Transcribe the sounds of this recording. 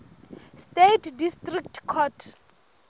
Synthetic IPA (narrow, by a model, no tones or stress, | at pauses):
stetʰdistrik̚tkʰɔtʰ